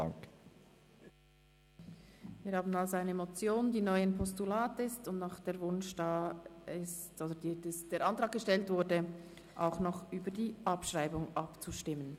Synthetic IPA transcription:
a̰ŋk | viːɾhaːbn̩alzoaɪnəmot͡sjoːndiːnɔʏanpʰɔstulaːtɪstʊmnaχd̥eːɐvʊnʃd̥aːɪstʔoːdədidɛsd̥eːɾʔɑntʁɑːɡ̥̚ɡəʃtɛltv̥ʊɾdə | ʔaʊxnɔχʔyːbəɐdiːʔɑpʃʁaɪbʊŋʔɑpt͡suʃtɪmən

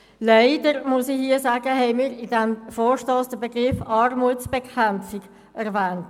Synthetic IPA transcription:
laɪdəɾmʊsɪhiəsaːɡ̥əɦɛɪmiːɾɪdɛmfɔːɾʃtoːsd̥əbeɡʁɪfɑrmuəsb̥ɛkʰʁɛnp͡fɪɡ | ʔɛʁvɛːnt

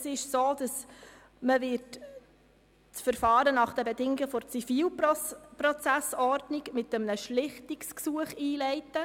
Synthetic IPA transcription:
sɪʃsoːd̥ɑs | məʋɪɾt | t͡sfəɾfɑːɾənɑχd̥ɛbɛdɪŋɪɡəfɔɾt͡sifiːlprɔt͡sæsɔɾdnɪɡmɪtəmnəʃlɪχtɪksksuəχiːlɛɪtə

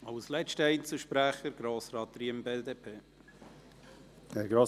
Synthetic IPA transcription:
ɑwslɛt͡ʃtəɛɪnt͡səʃpɾæχəɾɡ̥ɾoːsɾɑːt̪̚ɾiəmbeːd̪eːpʰeː | ɛɡɾoː

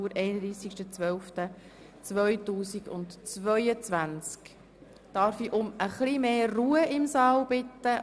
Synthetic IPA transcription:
uːɾʔɛɪnədɾiːsikʃtət͡sʋœlftə | t͡sʋœjtuːsiɡ̥ʊ̰ntt͡sʋœʏət͡sʋænt͡sk | d̥ɑːɾfiʔʊməχlimeːruːəɪmsɑːlb̥ɪtːə

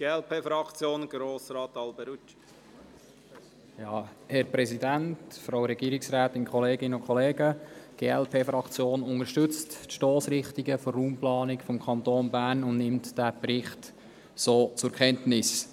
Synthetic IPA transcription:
ɡ̥eːɛlpʰeːfɾɑkt͡sjoːnɡɾoːsɾɑːt̪ɑlbəɾut͡ʃ | jɑːhɛɾpɾɛsidæntfɾawɾɛɡ̥iːɾɪksɾaːtɪnkχɔleːɡɪnəʊkʰχɔleːɡəɡ̥eːɛlpʰeːfɾɑkt͡sjoːnʊŋəɾʃtɵt͡stʃtoːsɾɪχtiɡəfɔrːuːmplɑːnɪkfɔmkʰɑnt̪oːnbæːrnʊnnɪmtd̥æbɾɪχt | soːt͡sʊɾkʰɛntnɪs

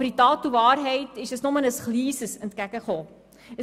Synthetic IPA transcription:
ərditɑːtːuvɑːrɦəjtisdəsnɔmənəsχliːsəsəntkækəχɔː | ə

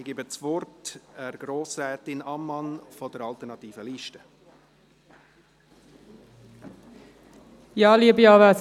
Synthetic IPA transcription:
iɡɪbət͡svɔrtɛɾɡ̥ɾoːsɾɛːtɪnɑmːɑnfɔd̥əɾɑlt̪əɾnɑtiːfəliːʃtə | jɑːliəbijɑːʋæs

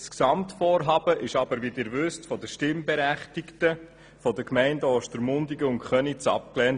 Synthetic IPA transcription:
sksɑmtfɔːɾɦɑːb̥əʔɪʃɑbəɾvidɪːɾvʏstfɔdəʃtɪmbɛɾæχtiktə | fɔdəkmɛɪndɔːʃtəɾmʊndiɡəʊŋkχœnit͡sɑ̰p̚klɛn

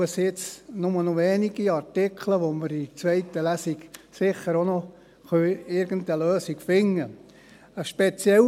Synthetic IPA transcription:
əsɪt͡snʊmənoʋɛːniɡ̥iɑrtɪkʰləʋoməɾit͡sʋɛɪtəlæsiɡsɪχəɾono | χœɪɾɡəntəløːsikfɪŋːə | əʃpet͡sjɛl

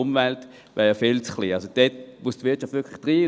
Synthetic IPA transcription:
ʊmvɛlt | ʋʔɛːɐjɑfelt͡sχliːalsod̥ɛtmustvɪɐtt͡ʃɑftvɪɐkʰlɪχd̥ʁiː

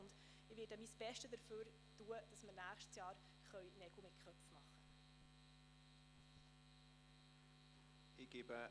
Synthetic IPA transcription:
ʊnd | ɪʋɪːdəmisb̥ɛʃtədəɾføːɾ | tuəd̥ɑsməɾnæːχʃtsjɑːɾ | χœɥnɛɡ̥l̩mɪt̚kʰœpfmɑχə | ɪɡ̥ɪbə

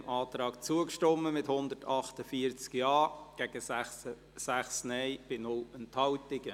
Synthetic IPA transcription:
mʔɑːt̪ɾɑːkt͡suəkʃtɔmːəmɪthʊndətʰɑχtəfiəɾt͡skjɑːɡ̥ɛɡ̥əssə | sæχsnɛɪb̥ɪnʊlɛnthɑwtɪɡ̥ə

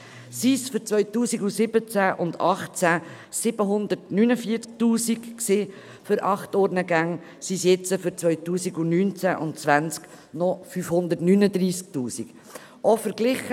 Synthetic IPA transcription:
siːsfʏɾt͡svœʏtuːsiɡusɪbət͡sæʔʊndɑχt͡sæ | sɪb̥əɦʊnd̪əɾtnynəfiːəɾt͡sk̚tuːsikksɪ | fʏɾʔɑχtɔɾnəɡæŋ | sisjɛt͡səfʏɾt͡sʋœʏtuːsiɡunyːnt͡sæʔʊ̰ntt͡svænt͡sk | nɔfyfhʊnd̪ətnynəd̪ɾiːsk̚tuːsik | ʔɔfəɾɡlɪχə

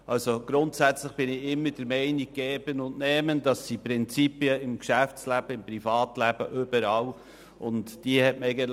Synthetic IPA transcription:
ʔɑlsoɡ̥ɾʊntsæt͡slɪχb̥ɪnɪɪmːəd̥əɾmɛɪniɡːɛːb̥ənʊntnɛːməndɑsːipɾɪnt͡sipiəɪmkʃæft͡slæb̥əɪmpɾifɑːtlæb̥ə̰ʔʏb̥əɾɑːl | ʔʊntd̥iəhɛtmɛɪɡət

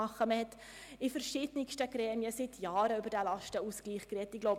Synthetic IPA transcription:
ɑχːəməhɛt̪ | ifəɾʃɪdnɪkʃtəɡɾɛːmiəsɪtʰjaːɾəybəɾdælɑʃtəuskliːχkrɛtːɪɡ̥loʊb

